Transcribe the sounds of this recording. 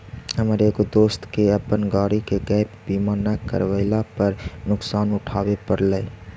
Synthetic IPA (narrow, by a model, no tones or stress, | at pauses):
ɦəmɾekd̪oːst̪keəpənɡaːɽikeɡɛːpbiːmaːnakə̰ɾwəɪlapəɾnʊksaːnʊʈʰaːwepəɾləː